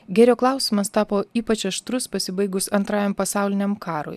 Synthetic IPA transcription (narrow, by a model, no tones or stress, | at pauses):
ɡʲɛɾʲoːklˠɑˑʊsʲɪmɐst̪ɑːpoːiːpɐt͡ʃɐʃt̪ɾʊspɐsʲɪbɐɪɡʊsɐnt̪ɾɑːjɛmpɐsɑˑʊlʲɪnʲɛmkɑːɾo̰ːj